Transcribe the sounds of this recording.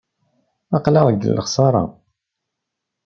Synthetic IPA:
ɑqləʁɡə̰lːəχsˤɑɾˤɑ̰

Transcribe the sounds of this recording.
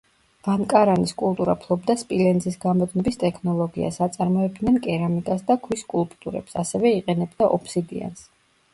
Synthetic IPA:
vankʼaɾaniskʼulˠt̪ʼuɾapʰlˠɔbd̪aspʼilɛnzisɡamɔd̪nɔbist̪ʼɛkʰnɔlˠɔɡia̰sat̪sʼaɾmɔɛb̚d̪nɛnkʼɛɾamikʼasd̪akʰwiskʼulˠpʼt̪ʼuɾɛ̰psasɛvɛiqʼɛnɛbd̪aʔɔpʰsiɡ̪ḭa̰ns

